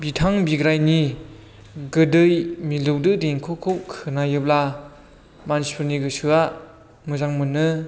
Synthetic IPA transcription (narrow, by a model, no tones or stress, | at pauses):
bitʰaŋbiɡɾajni | ɡɯdɯjmilɯwdɯdeŋkʰukʰowkʰɯnajɯbla | manspʰɯɾniɡɯsɯa | mɯzaŋmɯnːɯ